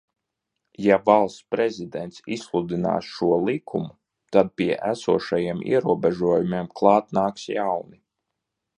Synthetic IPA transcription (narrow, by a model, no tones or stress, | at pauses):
javalˠst̪spɾɛzid̪ɛnt̪sḭslˠud̪ina̰ːsʃuɔlˠikʰumu | t̪ad̪̚piɛʔæsuɔʃajiɛmḭɛɾuɔbɛʒuɔjumiɛmklˠɑːt̪naːksjawni